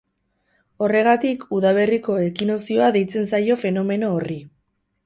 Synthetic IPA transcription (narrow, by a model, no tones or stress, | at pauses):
o̞re̞ɣ̞at̪ikuðaβ̞e̞riko̞e̞kino̞sio̞aðe̞jt͡se̞nsajo̞fe̞no̞me̞no̞ːri